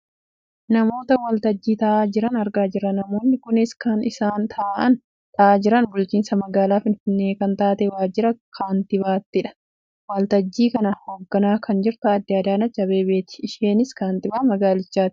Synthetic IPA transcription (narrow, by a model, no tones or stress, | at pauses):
nɐmo̞ːt̪ɐwɐlt̪ɐd͡ʒːiːt̪ɐʔaːd͡ʒɪɾɐnɐɾɡaːd͡ʒɪɾːɐnɐmo̞ːnːɪkʊnɪskɐnɪsaːnt̪ʰɐːʔɐn | t̪ɐʔaːd͡ʒɪɾɐnbʊlt͡ʃiːnsɐmɐɡaːlaːfɪnfɪnːeːkɐnt̪aːt̪ɛwaːd͡ʒɪɾɐkʰaːnt̪ɪbaːt̪ːɪᶑɐ̥ | wɐlt̪ɐd͡ʒːiːkɐnɐhoːɡːɐnaːkɐnd͡ʒɪɾt̪ʊɐd̪ːɪɐːd̪aːnɐt͡ʃːɐbeːbeːt̪ɪ̥ːʃeːnɪskaːnt̪ɪbaːmɐɡaːlɪt͡ʃːaːt̪ɪ